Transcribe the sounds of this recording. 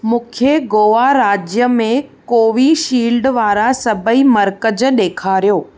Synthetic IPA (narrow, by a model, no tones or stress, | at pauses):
mũːkʰeɡoːʋaɾaːd͡ʑjəmẽkoːʋiʃiːlɖʋaːɾasɐbʱəimɐɾkəd͡ʑɗeːkʰaːɾijoː